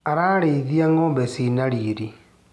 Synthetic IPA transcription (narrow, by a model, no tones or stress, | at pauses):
aɾaːɾeiðiaŋoːmbesinaɾiːɾi